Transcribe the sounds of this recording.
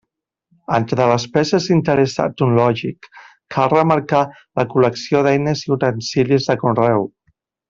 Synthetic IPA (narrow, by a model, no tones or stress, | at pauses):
ənt̪ɾələspɛzəzint̪əɾəsa̰t̪unlɔʒikːʰ | alrəməɾka | ləkuləksioðɛjnəziut̪ənsilizðəkunrɛw